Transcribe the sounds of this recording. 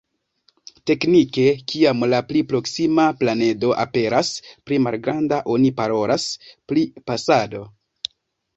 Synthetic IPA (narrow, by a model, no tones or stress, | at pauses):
te̞knike̞kʰiamlaplipɾo̞ksimaplane̞do̞ʔa̰pe̞ɾaspɾimalɡɾandaʔo̞nipaɾo̞lasplipasado̞